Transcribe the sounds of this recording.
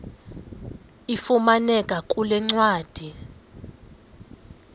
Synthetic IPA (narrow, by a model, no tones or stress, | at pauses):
ifumanɛkʼakʼulɛŋ͡ǀwaːd̥ʱi